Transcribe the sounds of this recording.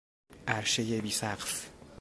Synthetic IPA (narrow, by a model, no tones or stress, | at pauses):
ʔæɾʃejebiːsæqs